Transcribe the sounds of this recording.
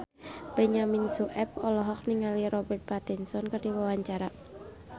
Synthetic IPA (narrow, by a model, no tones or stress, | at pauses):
b̥ɛɲaminsuʔɛp̚ɔlɔɦɔk̚niŋaliɾɔbɛrt̪̚pat̪ɛnsɔnkərdiwawaɲt͡ʃaɾa